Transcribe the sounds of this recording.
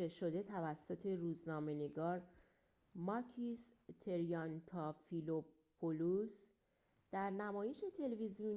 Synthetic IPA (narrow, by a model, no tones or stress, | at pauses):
eʃo̞d̪e̞t̪ʰævæsːot̪ʰe̞ɾuːznɒːme̞ne̞ɡɒːɾ | mɒcʰist̪ʰe̞ɾijɒnt̪ʰɒfilo | pʰolus | d̪̥æɾnæmɒːje̞ʃe̞t̪ʰe̞levizijun